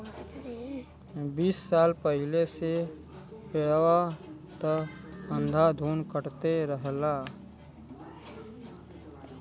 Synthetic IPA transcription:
biːsːaːlpəɦɪlese | peɽwa | t̪ə | ə̃nd̪ʱad̪ʱuːnkəɾt̪eɾəɦlaː

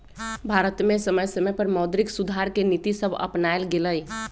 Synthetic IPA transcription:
bʱaɾət̪mẽsəməjsəməjpəɾməʊd̪ɾɪksud̪ʱaɾkenit̪isəbʱə̰pnaelɡeləj

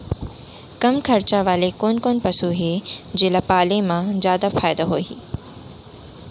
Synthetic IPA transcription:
kɐmkʰɐɾt͡ɕaʋaːlekoːnkoːnpɐsuɦed͡ʑeːlɐpaːlemãzjaːd̪afaːjd̪aɦoːɦḭː

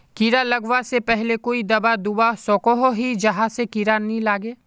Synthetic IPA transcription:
kiɾalɐɡwasepɛɦlekoːid̪ɐbad̪ubasɔːkoɦoɦid͡ʒɐɦãsekiɾanilaːɡeː

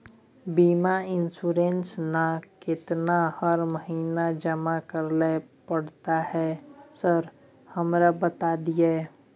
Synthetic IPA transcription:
biːmaɪnsuɾensnakɪt̪nahəɾməɦiːnad͡ʒəmakəɾle | pəɽt̪ahɛsəɾ | həmɾabət̪ad̪ije

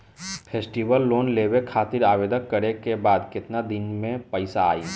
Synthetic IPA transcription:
pʰeːsʈibəlːoːnleːwekʰaːt̪ɪɾaːbeːd̪əkːəɾekebaːd̪kɪt̪nad̪ɪnmẽpəɪsaa̰ːiː

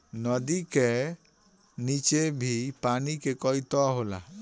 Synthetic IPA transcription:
nɔd̪ike | nit͡ʃebʱipanikekɔjt̪ɔɦola̰

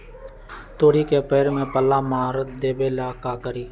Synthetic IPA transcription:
t̪oːɽikepeːɾmẽpəlːamaːɾd̪eːbelakaːkəɾiː

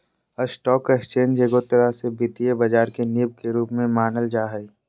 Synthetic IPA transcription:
əsʈɔːkekst͡ʃẽːnd͡ʒeɡot̪ːəɾasebit̪iebɐd͡ʒaːɾkenɪb̚keɾuːpmẽmaːnəld͡ʒaːɦəi

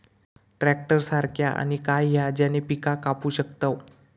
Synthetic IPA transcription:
ʈɾɛk̚ʈəɾsaɾkʰjaʔa̰nikajɦjad͡ʑanepikakapuːɕəkt̪ə

